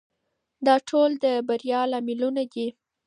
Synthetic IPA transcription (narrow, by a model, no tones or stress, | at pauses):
d̪ɑʈʰold̪əbaɾjɑlɑmɪlunad̪i